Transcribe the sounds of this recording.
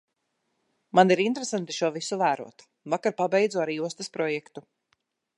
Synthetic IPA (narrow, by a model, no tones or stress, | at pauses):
maniɾint̪ɾesant̪i̥ʃuɔvisuvæːɾṵɔt̪ | vakaɾpabɛjd̪zɔːaɾiːuɔst̪ɐspɾɔjɛkt̪u